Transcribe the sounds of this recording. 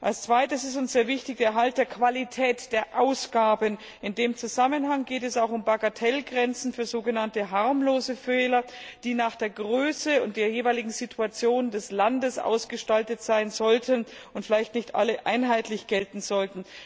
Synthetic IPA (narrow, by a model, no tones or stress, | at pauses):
ʔalst͡sv̥aɪtəsɪstʊnsz̥eːɐvɪçtɪçd̥eːɐɦalt̚d̥eːɐkv̥alitʰɛːtd̥eːɐʔaʊsɡ̥aːbən | ɪndeːmt͡suzamənɦaŋɡeːtɛsaʊxʊmbaɡatʰɛlɡʁɛnt͡sn̩fyːɐzoːɡənantəɦaɐmloːzəfɛːlɐd̥iːnaːχd̥eːɐɡʁøːsəʊnt̚d̥eːɐjeːvaɪlɪɡŋ̩zitʰuat͡sjoːndɛslandəsʔa̰ʊsɡ̥əʃtaltətz̥aɪnzɔltʰənʊntfɪlaɪçtnɪçtʔa̰ləʔa̰ɪnɦaɪtʰlɪçɡ̥ɛltn̩zɔltn̩